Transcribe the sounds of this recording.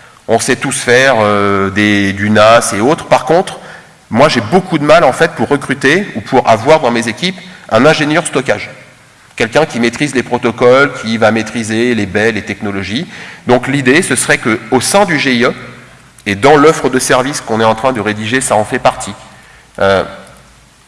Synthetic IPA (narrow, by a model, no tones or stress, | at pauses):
ɔ̃sɛt̪usfɛʁød̪ed̪ynaseot̪χpaʁkɔ̃t̪χ | mwaʒebokud̪əmalɑ̃fɛt̪̚puʁːəkχyt̪eupʰuʁa̰vwaʁd̪ɑ̃mezekʲipɛ̃nɛ̃ʒenjœʁst̪ɔkaʒ | kʲɛlkʲɛ̃kʲimet̪χizlepχɔt̪ɔkɔlkʲʰivamet̪χizelebɛlet̪ɛknɔlɔʒid̪ɔ̃klid̪esəsəʁɛkəosɛ̃d̪yʒeiø | ed̪ɑ̃lɔfχəd̪əsɛʁviskɔ̃nɛɑ̃t̪χɛ̃d̪əʁed̪iʒesaɑ̃fɛpaʁt̪ʰi | ø